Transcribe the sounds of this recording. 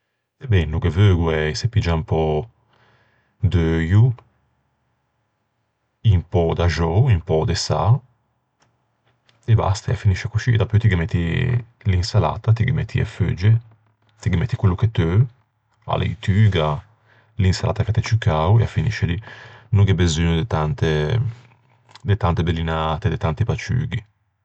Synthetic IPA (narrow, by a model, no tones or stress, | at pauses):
bɛnːuɡevøːɡuɛsepid͡ʒampɔ | d̪øju | impɔd̪aʒɔuimpɔd̪esa̰ | eba̰st̪aea̰finiʃakut͡ʃid̪apøjt̪iɡɛmɛt̪ːi | linsala̰ːt̪at̪iɡimɛ̰t̪ʰːḭḛfø̰d͡ʒe | t̪iɡimɛt̪ːikwelːuket̪ø | a̰lḛt̪yːɡa | linsalʔa̰t̪aket̪et͡ʃukawḛafinḭʃed̪inuŋɡebezyːnud̪et̪ant̪e | d̪et̪ant̪ebelinaːt̪ed̪et̪ant̪ipat͡ʃy̰ːɡi